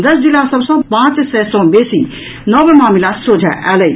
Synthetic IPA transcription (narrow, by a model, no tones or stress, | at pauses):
d̪əsd͡ʒilasəbsə̃pãːt͡ʃsɛsɔ̃besi | nəbmaːmilasɾod͡ʒʱa̰ʔɛ̰ləi